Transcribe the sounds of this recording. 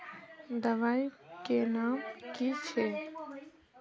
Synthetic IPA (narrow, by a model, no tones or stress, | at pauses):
d̪əʋaːjkenaːmkit͡ʃʰe